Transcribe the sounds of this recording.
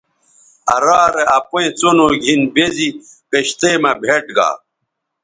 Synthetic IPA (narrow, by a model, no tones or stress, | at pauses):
ɐɾaːɾeʔɐpoẽt͡sonoːɡʱinbezipeɕt̪eːmɐbʱeʈɡa̰ː